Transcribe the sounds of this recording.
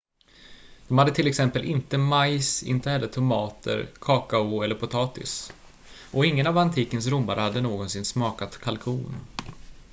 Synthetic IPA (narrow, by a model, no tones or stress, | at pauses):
d̪̥ɔmhad̪ːət̪ʰɪlːɛksɛmpəlʔɪnt̪əmajsɪ̰nt̪əhɛlːəʈʰʊmɑːt̪ʰə̰ɾkʰɑːkaʊɛlːəɾpʰʊt̪ʰɑːt̪ɪ̰s | ʔɔɪŋːənavant̪ʰiːkəns̬ɾʊmbaɾəhad̪ːənoːɡɔnsɪnsmɑːkat̪kʰalkʰuːn